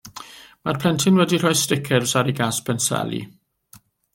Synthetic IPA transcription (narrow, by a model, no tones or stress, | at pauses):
marpʰlɛntʰɪnwɛdir̥ɔjstɪkʰɛlsaɾiɡaːspʰɛnsɛ̰lḭ